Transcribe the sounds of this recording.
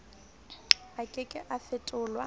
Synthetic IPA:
akʼɪkʼɪʔafɪtʼʊːlwa

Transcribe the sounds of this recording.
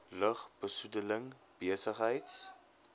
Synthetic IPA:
ləχbəsudələŋ | b̥iəsəχɦəjts

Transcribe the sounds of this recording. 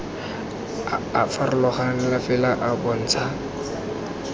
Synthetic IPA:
afarʊlɔχanɪlafɪlaʔabɔn̩t͡sʰa

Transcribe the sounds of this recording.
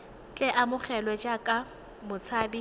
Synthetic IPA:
t͡ɬʼɛʔamʊχɛlɔd͡ʒakʼa | mʊt͡sʰaːbi

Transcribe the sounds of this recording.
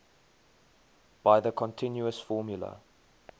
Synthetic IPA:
b̥aɪðəkʰɔ̃ntʰɪ̃njuəsfɔːmjulə̰

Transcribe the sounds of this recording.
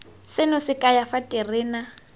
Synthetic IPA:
sɪnʊsɪkʼajafatʼɪrɪːna

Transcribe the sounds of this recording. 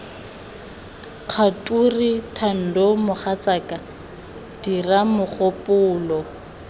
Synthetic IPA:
q͡χʰatʼuritʰan̩dɔmʊχat͡sakʼa | d̥iramʊχopʼʊːlɔ

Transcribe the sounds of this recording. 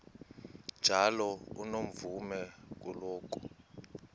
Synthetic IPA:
nd͡ʒʱalɔṵnom̩vumɛk̬ulɔːk̬ʼu̥

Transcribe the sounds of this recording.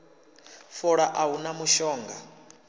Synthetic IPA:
fɔɺaʔaɦunamuʃɔːŋɡa

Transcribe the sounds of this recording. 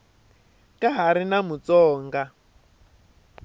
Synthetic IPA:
kaɦaɾinamut͡sɔːŋɡa

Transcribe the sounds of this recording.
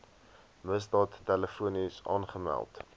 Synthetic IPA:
məsdɑːtːɛləfuənisɑ̰ːnχəmæ̰lˠt

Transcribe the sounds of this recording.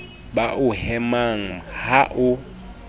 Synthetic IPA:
ɓaʔʊhɛmaŋ̩haʔʊ

